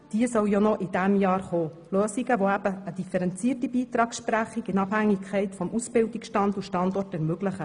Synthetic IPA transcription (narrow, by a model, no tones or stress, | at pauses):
d̥iəsœwjonɔʔɪd̥æmjɑːɾχoː | løːsiɡəʋoæb̥əːd̥̪ifəɾɛnt͡siːərtibiːt̪ɾɑːkʃpɾæχiɡɪnɑphæŋːikʰχɛɪt̪fɔmʔusbɪldiksʃtɑnduʃtɑnd̪ɔrtɛɾmøɡləχə